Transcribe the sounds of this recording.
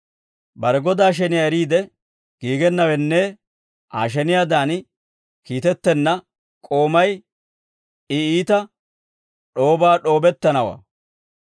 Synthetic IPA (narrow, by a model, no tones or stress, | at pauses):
bɐɾɛɡɔd̪aːʃ̬ɛnɪjaɛɾiːd̪ɛ | ɡ̥iːɡɛnːɐwɛnːɛ | ʔaːʃ̬ɛnɪjad̪aːn | kiːt̪ɛt̪ːɛnːɐ | kʼo̞ːmɐj | ɪiːt̪ɐ | ɗo̞ːbaːɗo̞ːbɛt̪ːɐnɐwa̰ː